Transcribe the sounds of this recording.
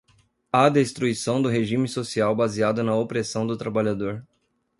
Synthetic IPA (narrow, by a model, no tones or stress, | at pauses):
ad̪est̪ɾuisɐ̃w̃d̪ʊɦeʒĩmɪsosiawbaziad̪ʊnɐopɾesɐ̃w̃d̪ʊt̪ɾabaʎad̪oɾ